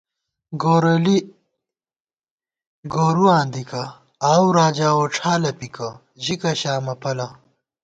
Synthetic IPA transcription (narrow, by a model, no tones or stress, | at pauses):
ɡoːɾɐli | ɡoːɾuãːnd̪ikɐ | aːwɾaːd͡ʑaːoːʈ͡ʂʰaːlɐpikɐ | ʑikɐɕaːmɐpɐlɐ